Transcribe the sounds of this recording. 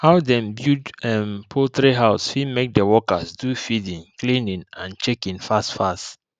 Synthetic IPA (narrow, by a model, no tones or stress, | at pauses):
haʊdɛ̃mbjudɛmpʰot̪ɹeɦaʊsfimek̚dəwɔkasdufidĩŋklĩnĩnãnt͡ʃɛkĩnfastfast